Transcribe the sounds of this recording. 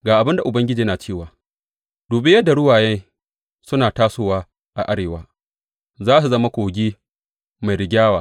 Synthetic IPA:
ɡaː˨ʔa˨bɪ˦nda˨ʔʊ˨bɐ˦ŋɡʲɪ˦d͡ʒiː˦naː˨t͡ʃeː˦˨waː˨ | d̥uː˨bɪ˦jɐ˦dːa˨ɽʊ˦waː˨jɛ˦ | sʊ˦naː˨taː˦soː˦waː˦ | ʔa˨ʔa˦ɽeː˨waː˦ | zaː˦s̬u˨zɐ˦ma˦kʷoː˨ɡʲiː˦ | ma˨jɾɪ˨ɡʲaː˦waː˨

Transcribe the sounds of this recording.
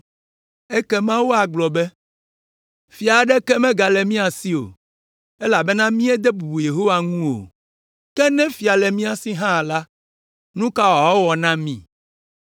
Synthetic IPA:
ɛ˦kɛ˦mã˦wo˦a˨ɡ͡blɔ˨bɛ˦ | fi˨a˨ɖɛ˦kɛ˦mɛ̃˦ɡa˨lɛ˨mĩ˦a˨si˦o̰˨ | ɛ˦la˨bɛ˦nã˦mĩ˦ɛ˦d̪ɛ˦bu˨u˨je˨ɦo˦wa˨ŋũ˦o̰˨ | kɛ˦nɛ̃˦fi˨a˨lɛ˨mĩ˦a˨si˦ɦã˦˨la˦ | nũ˦ka˦wa˨wɔ˦wɔ˨nã˦mĩ˨

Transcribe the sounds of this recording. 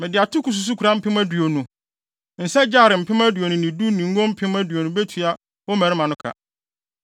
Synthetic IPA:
mɪ̃˨dɪ˨a˨tʰʊ˦kʰu˨s̬u˨s̬u˦kʰu˨ɾa˦m̩˦pʰɪ̃˦mæ̃˦du˨o˨nũ˨ | n̩˨sɛ˦d͡ʑaː˦˨ɾɪ˨m̩˨pʰɪ˦ma˦du˨o˨nʊ̃˨nĩ˨du˦nĩ˨ŋ˦ɡõ˦m̩˦pʰɪ̃˦mæ̃˦du˨o˨nũ˨be˦tʰu˨a˨ | ɔ˦mæ̃˨ɾɪ˦mã˨nʊ̃˦kʰa̰˨

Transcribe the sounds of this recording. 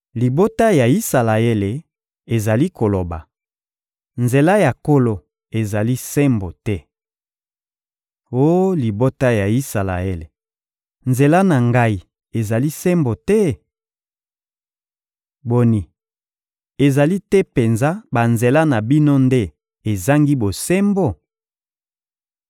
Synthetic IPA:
li˨bo˦ta˦ja˨i˦sa˨la˨e˦le˨ | e˨za˨li˦ko˨lo˨ba̰˨ | nze˨la˦ja˨ko˦lo˨ | e˨za˨li˦sɛ˦mbo˨tɛ˦ | o˦li˨bo˦ta˦ja˨i˦sa˨la̰˨e˦le˨ | nze˨la˦na˨ŋɡa˦i˨ | e˨za˨li˦sɛ˦mbo˨tɛ˦ | bo˨ni˨ | e˨za˨li˦tɛ˦pe˨nza˦ba˨nze˨la˦na˨bi˦no˦nde˦ | e˨za˦ŋɡi˦bo˨se˦mbo˨

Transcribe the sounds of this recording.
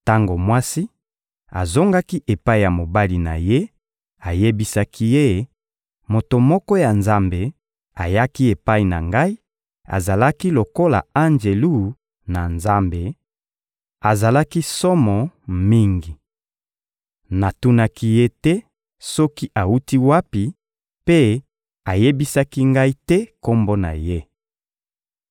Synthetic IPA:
ta˦ŋɡo˨mwa˦si˦ | a̰˨zo˦ŋɡa˦ki˦ʔe˨pa˦i˨ja˨mo˨ba˦li˨na̰˨je˦ | a˨je˦bi˦sa˦kʰi˦je˦ | mo˨to˨mɔ˦kɔ˦ja˨nza˦mbe˨ | a̰˨ja˦ki˦e˨pa˦i˨na̰˨ŋɡa˦i˦ | a̰˨za˨la˦ki˦lo˨ko˦la̰˨a˦nd͡ʒe˨lu˦˨ | na˨nza˦mbe˨ | a˨za˨la˦ki˦sɔ˦mɔ˨mi˦ŋɡi˨ | na˨tu˦na˦ki˦je˦tɛ˦ | sɔ˦ki˦ʔa˨u˦ti˦wa˦pi˨ | pe˦ | a˨je˦bi˦sa˦ki˦ŋɡa˦i˦tɛ˦ko˦mbo˦na̰˨je˦

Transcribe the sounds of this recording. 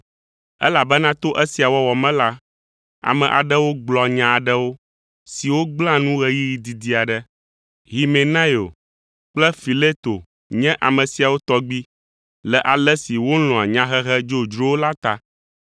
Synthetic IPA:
ɛ̰˦la˨bɛ˦nã˦t̪o˦ʔɛ˦si˨a˨wɔ˦wɔ˨mɛ̃˦la˦ | a̰˨mɛ̃˨ʔa̰˨ɖɛ˦wo˦ɡ͡blɔ˨ɲã˨a˨ɖɛ˦wo˦ | si˨wo˦ɡ͡bl̃ã˦nũ˦ɣɛ˦ji˦ji˨d̪i˨d̪i˦a˨ɖɛ˦ | ɦi˨me˨nã˦jo˨ | k͡plɛ˦fi˨le˦t̪o˨ | ɲɛ̃˦ʔa˨mə̃˨si˨a˨wo˦t̪ɔ˦ɡ͡bi˦ | lɛ˨ʔa˨lɛ˦si˨wo˦lɔ̃˨a˨ɲã˦ɦɛ˦ɦɛ˦d͡ʒo˦d͡ʒɾo˦wo˦la˦t̪a˦

